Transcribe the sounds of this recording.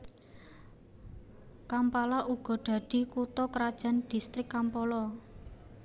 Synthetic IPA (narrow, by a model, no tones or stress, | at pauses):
kampalaʔuɡ̥ɔ̤ɖ̥ä̤d̪̥i̤kut̪ɔkɾad̥ʒ̥a̤nd̪̥i̤st̪ɾɪkːampɔlɔ